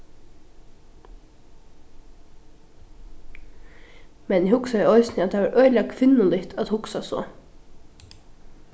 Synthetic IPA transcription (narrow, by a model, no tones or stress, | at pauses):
mɛnɪhʊksaɛɔʏsnɪat̪̚ʰːaʋaɾʔœʏlakʰʋɪnːʊnlɪt̪ʰat̪hʊksasɔ̰